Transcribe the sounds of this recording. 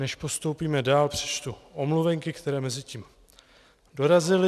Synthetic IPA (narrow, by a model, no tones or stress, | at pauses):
nɛʃpo̞st̪o̞wpiːmɛdaːlpr̝̥ɛ̥t͡ʃt̪uʔo̞mluvɛŋkɪkt̪ɛɾɛːmɛzɪciːm | do̞ɾazɪlɪ